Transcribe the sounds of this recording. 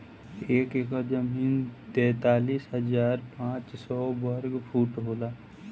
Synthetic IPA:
eːkeːkazəmiːnt̪ɛ̃ːt̪aːliːsɦəzaːɾpãːt͡ʃsɔːbəɾɡpʰuːʈɦoːlaː

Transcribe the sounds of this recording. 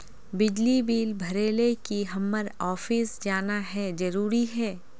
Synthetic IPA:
bɪd͡ʒlibiːlbʱɐɾeːlekiɦɐmːəɾɔːfiːsd͡ʒaːnaɦɛd͡ʒɐɾuːɾiɦɛː

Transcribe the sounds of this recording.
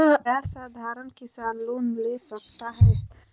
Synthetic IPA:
ɛsad̪ʱaɾənkisanlonlesək̚t̪aɦɛ

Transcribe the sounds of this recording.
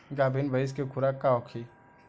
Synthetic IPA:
ɡaːbʱinbʱɐɪs̬kekʰʊɾakːaɔkʰi

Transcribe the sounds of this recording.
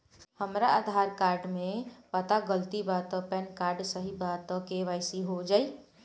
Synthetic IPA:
həmɾaːd̪ʱaɾkaɾɖmepat̪aɡəlt̪ibat̪ɔpɛnkaɾɖsəɦibat̪ɔkeʋajsiɦod͡ʒai

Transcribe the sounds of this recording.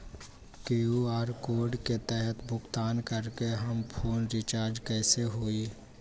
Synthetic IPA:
keuaːɾkoːɾɖket̪ɛɦət̪bʱʊkt̪aːnkəɾkeɦəmpʰoːnɾɪt͡ʃaːɾd͡ʒkɛːseɦoːiː

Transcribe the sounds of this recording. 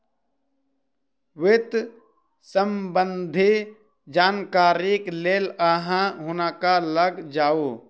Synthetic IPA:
wɪt̪ | səmbənd̪ʱi | d͡ʒaːnkaːɾikleːlaɦãɦʊnakaləɡd͡ʒaːoː

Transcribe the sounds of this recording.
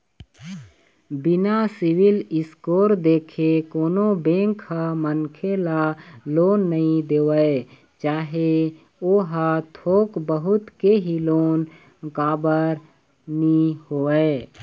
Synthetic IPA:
bɪnasɪwɪlɪskoːɾd̪eːkʰekoːnobẽːŋkhamənkʰelaloːnːəɦĩd̪eːwəe | t͡ʃaːɦe | oːɦat̪ʰoːkbəɦʊt̪keɦiloːn | kaːbəɾ | nihoːə

